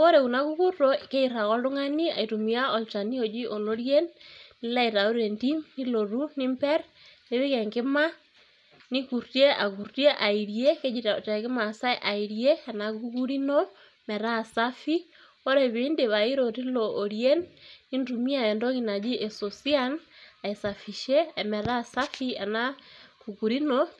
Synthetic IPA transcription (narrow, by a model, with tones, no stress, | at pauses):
o˦ɾe˨ku˨na˦ku˦ku˦rto˦ke˦i˨ɾa˨kɔ˦lʊ˦ŋa˦ni˦a̰˨i˨tu˨mi˨a˦ɔ˨lt͡ʃa˨ni˦o˨d͡ʒi˦ʔo˨lo˦ɾje˦nːɪ˦la˦i˨ɾa˨u˦ɾe˨nti˦mni˦lo˨ru˦ni˦mpɛ˦r | ne˨˦βɪ˦kɛ˨ŋɡɪ˦ma˦ | ni˦ku˨ɾtje˦ʔa˨ku˨rtje˦ʔa˨i˨ɾje˦ke˦d͡ʒi˨tta˨kɪ˦ma˨sa˦ʔa˨i˨ɾje˦a˨na˨ku˦ku˦ɾi˦no˦ | mɛ˨ɾa˦˨sa˦fi˦ | o˦ɾe˨βiː˦nde˨βa˨i˦ɾo˨ti˦loʔoɾje˦nːi˦ntumi˦a˨ɛ˨ndo˦ɣina˨d͡ʒi˦ʔe˨so˨si˦a˦na˨e˨sa˨fi˨ʃe˦mɛ˨ɾa˦sa˦fi˦a˨na˦ku˨ku˨ɾi˦no